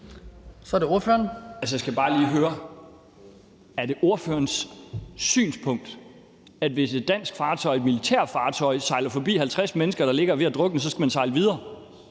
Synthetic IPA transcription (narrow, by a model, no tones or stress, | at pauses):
sɒɾeo̝ɐføːɐnælsəjaɪsɡ̥æb̥ɑ̈ːliːɦøːɐ | æɐd̥e̝ʔo̝ɐføːɐnsː | y̰ːnspʰɔ̽ŋ̰d̥ | ædʋe̝se̝d̥ːæn̰sɡ̥fɑ̈ːt͡sʰɒ̽ɪe̝d̥milit͡sʰæ̰ɐfɑ̈ːt͡sʰɒ̽ɪsɑ̈ɪlɐfɒ̽b̥ḭːhælt͡sʰʁasmenəsɡ̥ɐɾ̥ɑ̈le̝ɡ̥ɐʋe̝æd̥ʁɔ̽ɡ̥d̥n̩sɒ̽sɡ̥æmænsɑ̈ɪləʋið̞ˠɐː